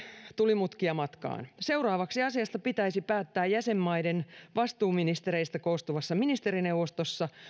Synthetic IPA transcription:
t̪ulimut̪kiɑmɑt̪kɑ̰ːnse̞urɑːʋɑksiɑsiɑst̪ɑpit̪æisipæːt̪ːæːjjæsemːɑidenʋɑst̪uːminist̪eɾeist̪ækoːst̪uʋɑsːɑminist̪eɾinewʋost̪osːɑ

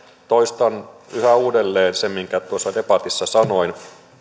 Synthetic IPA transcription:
t̪oist̪ɑnyhæuːdelːeːnsemiŋkæt̪uosːɑdepɑt̪isːɑsɑnoin

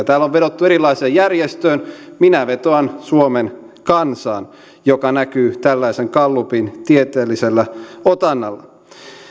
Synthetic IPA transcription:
ɑt̪æːlːoʋʋedot̪ːueɾilːˑɑiseːjjærjest̪øːnminæʋet̪oɑnsuomen | kɑnsɑːn | jokɑnækyːt̪ælːæiseŋkɑlːupint̪iet̪eːlːiselːæot̪ɑnːɑlːɑ

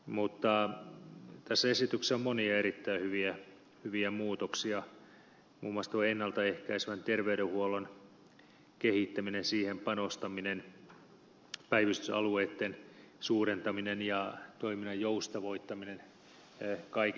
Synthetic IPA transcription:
mut̪ːɑ | t̪æsːæesit̪ykseommoniɑeɾit̪ːæihyʋiæ | hyʋiæmuːt̪oksiɑ | mṵːmoɑst̪oenːɑlt̪ɑehkæisʋænt̪erʋeyɾehuolon | kehit̪ːæminensiːhempɑnost̪ɑminen | pæiʋist̪ysɑ̰lueːt̪ːen | suːrent̪ɑminenjɑt̪oiminɑjjoust̪ɑʋoit̪ːɑminen | kɑik

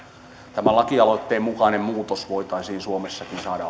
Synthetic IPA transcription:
t̪æmælɑkiɑlot̪ːeːmukɑnemmuːt̪osʋoit̪ɑisiːnsuomesːɑkinsɑːɾɑ

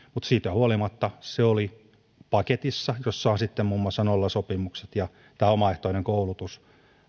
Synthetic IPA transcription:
mut̪siːt̪huolimɑt̪ːɑseoli | pɑket̪isːɑjosːɑɑnsit̪ːemmuːmːuɑsːɑnolːɑsopimukset̪jɑ | t̪æːomɑeht̪oineŋkoulut̪us

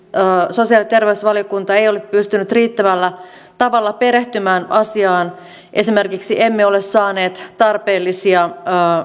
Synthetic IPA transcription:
əːso̞siɑlit̪e̞rʋeysʋɑljokunt̪ɑe̞jo̞leppyst̪ynyt̪riːt̪ːæʋælːæ | t̪ɑʋɑlːɑpe̞ɾe̞ht̪ymæːnɑsiɑːn | ʔe̞sime̞rkiksiʔemːeo̞lessɑːne̞ːt̪t̪ɑrpe̞ːlːisiɑəː

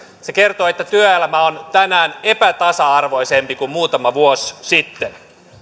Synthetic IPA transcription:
se̞ke̞rt̪oet̪ːæt̪yøelæmæont̪ænæːne̞pæt̪ɑsɑɑrʋo̞jsempikummuːt̪ɑmɑʋuossit̪ːen

